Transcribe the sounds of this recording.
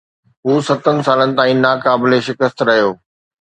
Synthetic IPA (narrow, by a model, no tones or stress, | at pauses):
ɦuːsɐt̪ənɪ̆saːlənɪ̆t̪ãːĩːnaːkaːbɪleʃɪkəst̪ɾɐɦijoː